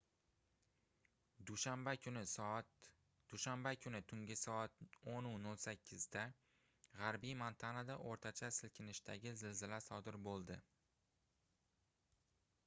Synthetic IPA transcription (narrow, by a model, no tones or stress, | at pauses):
ambaʊnɪt̪ | d̪̥ʊʃambakʲʰʊnɪt̪ʰʊŋɡʲɪsɒat̪onʊnolˠsakʲʰːɪzd̪a | ʁaɾbijmant̪ʰanad̪aʔoɾt̪ʰat͡ʃʰasɪlkʲʰɪnɪʃt̪ʰaɡʲɪzɪlzɪlasɒd̪ɪɾbolˠd̪ɪ